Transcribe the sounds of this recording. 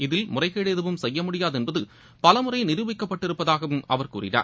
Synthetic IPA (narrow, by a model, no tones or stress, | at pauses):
ɪðɪlmʊrɐɪɣɐːɻeðɯʋɯmsɛjːɐmʊɽɪjaːðɛnbɐðɯ | pɐlɐmʊrɐɪnɪɾɯʋɪkːɐpːɐʈːɪɾɯpːɐðaːɣɐʋɯmɐ̰ʋɐɾkṵːrɪ̰na̰ː